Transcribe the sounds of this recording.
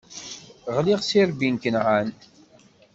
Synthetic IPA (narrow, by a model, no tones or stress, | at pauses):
ʁliʁsiɾbinkənʕan